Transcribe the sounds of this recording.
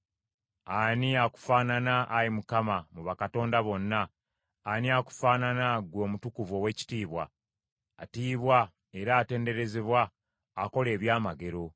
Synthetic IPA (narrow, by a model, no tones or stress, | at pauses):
aniaku̥faːnanaʔːjimukamamuβakato̞ːndaβo̞nːaː | niaku̥faːnanaɡwo̞ːmutukuvo̞ːwe̞ci̥tiːβwa̰ | a̰tiːβwa | e̞ɾaːte̞ːnde̞ɾe̞zeβwaː | ko̞le̞ːβjaːmaɡe̞ɾo̞